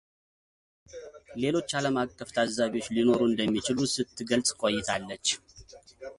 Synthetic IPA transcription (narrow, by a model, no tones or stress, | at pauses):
le̞lo̞t͡ʃːaləmakʼːəft̪ʰazːaβio̞t͡ʃːlino̞ɾuɨnd̪əmːit͡ʃɪlusɨt̪ʰːɨɡəlsʼkʷʼojːɪt̪ʰalːət͡ʃː